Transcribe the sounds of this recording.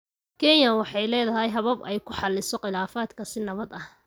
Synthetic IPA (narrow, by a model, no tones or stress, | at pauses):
kʰɛnjɐwɑħɑjlɛːðɐɦɛjɦɐβɐbɛjkʰʊħɑlːɪsɔqɪlaːfaːd̪kʰɐsɪnɐβɐd̪ɐh